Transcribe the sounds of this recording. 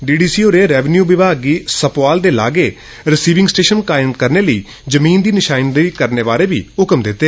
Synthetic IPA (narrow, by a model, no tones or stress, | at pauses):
ɖiːɖiːsiːoːɾeːɾɛːʋənjuːʋɪbʱaːɡiːsəpʋaːld̪eːla̰ːɡeː | ɾɪsiːʋɪ̃ŋɡsʈeːʃənkaːɪmkəɾneːləiː | d͡ʒəmiːnd̪iːnɪʃaːɪnd̪iːkəɾneːʋaːɾeːbḭːɦʊkəmd̪ɪt̪ːeː